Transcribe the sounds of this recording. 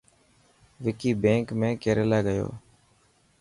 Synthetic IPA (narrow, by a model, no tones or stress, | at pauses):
ʋɪkiːbẽːŋkmẽːkeːɾeːlaːɡəjo̰ː